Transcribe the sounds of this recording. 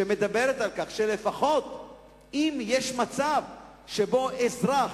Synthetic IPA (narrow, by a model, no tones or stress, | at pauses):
eme̞d̪abe̞ʁɾetalkaχʃele̞faχo̞t̪ | imjeʃmat͡sav | ʃebo̞ʔezʁa